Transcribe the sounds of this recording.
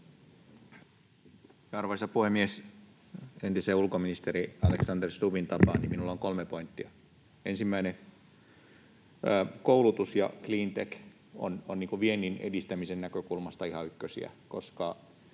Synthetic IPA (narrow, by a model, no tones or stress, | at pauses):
jɑɑrʋɑisɑpuhemːies | ent̪iseːulkominist̪eɾiɑleksɑnderst̪uʋint̪ɑpɑ̰ːnḭminulːoŋkolmepoint̪ːiɑ | ensimːæine | koulut̪usjɑ̰kliːnt̪ek | o̰nonniːŋkuʋienːˑinḛdist̪æmisennækøkulmɑst̪ɑihɑykːøsḭæ̰koskɑ